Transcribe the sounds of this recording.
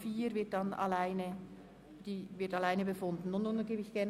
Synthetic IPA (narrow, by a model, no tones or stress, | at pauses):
fiːɾvɪɐt̚d̥ɑnɑ̰laɪnə | d̥iːvɪɐtɑlaɪnəbəfʊndn̩ːʊnːunɡeːbɪçɡ̥ɛɐn